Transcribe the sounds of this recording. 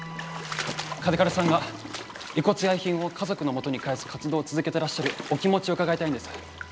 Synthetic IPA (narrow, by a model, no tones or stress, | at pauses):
kad̪ekaɾɯsãŋɡa | iko̞t͡sɨjaiçĩɰ̃o̞kʰazo̞kɯ̟no̞mo̞t̪o̞ɲ̟ikaesɨ̥kat͡sɨd̪o̞ːt͡sɨzɨke̞t̪e̞ɾaɕːaɾɯ̟okʲimo̞t͡ɕioɯ̟kaɡait̪aĩnd̪esɨ̥